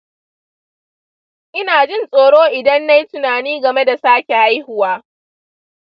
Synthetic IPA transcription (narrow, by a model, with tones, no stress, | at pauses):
ʔɪ˦naː˨d͡ʒɪ˦˨nsʼoː˨ɽoː˦ʔɪ˨dɐ˦nːa˦jtʊ˨naː˨niː˦ɡɐ˨me˦da˨saː˦kʲe˨ʔa˦jhʊ˦˨waː˦